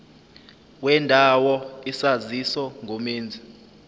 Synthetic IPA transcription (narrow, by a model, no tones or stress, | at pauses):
wɛndʱawɔisazisɔŋʱomeːnd͡zʱi